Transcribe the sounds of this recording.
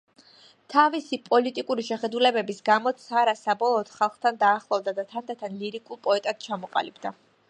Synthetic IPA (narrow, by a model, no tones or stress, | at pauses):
t̪ʰavisipʼɔlit̪ʼikʼuɾiʃɛχɛd̪ulɛbɛbisɡamɔt̪sʰaɾasabɔlˠɔːd̪̥χalˠχt̪ʰand̪aːχlˠɔvd̪ad̪at̪ʰand̪at̪ʰanliɾikʼulˠpʼɔɛt̪ʼad̪̥̚t͡ʃʰamɔqʼa̰libd̪a